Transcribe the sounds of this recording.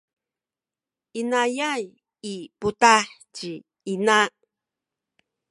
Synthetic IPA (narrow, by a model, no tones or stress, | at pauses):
ʔinajaj | iputaħ | t͡ʃi | ina